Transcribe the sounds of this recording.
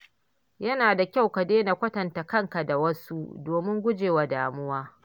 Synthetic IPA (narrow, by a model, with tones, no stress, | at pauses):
jɐ˦naː˨da˨kʲa˦wkɐ˨deː˦na˨kʷɐ˦tɐ˨nta˨kɐ˦ŋka˨da˨wɐ˦su˦doː˨mɪ˦ŋɡʷʊ˦d͡ʒeː˨wa˨daː˨mʊ˦waː˦